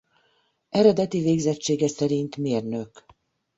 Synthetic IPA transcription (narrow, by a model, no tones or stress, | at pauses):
ɛɾɛd̪ɛt̪iveːɡzɛt͡ʃːeːɡɛsɛɾint̪meːrnøk